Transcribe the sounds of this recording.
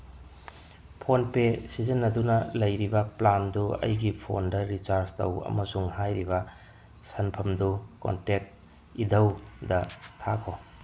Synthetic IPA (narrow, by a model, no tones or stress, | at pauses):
pʰonpesizɐnːɐdunɐlɐjɾibɐplanduɐ̰jɡipʰo̰ndɐɾit͡ʃaɾstɐwɐ̰mɐsuŋhajɾibɐ | sɐnpʰɐmduko̰ntek̚t̚ | idʱɐwdɐtʰakʰo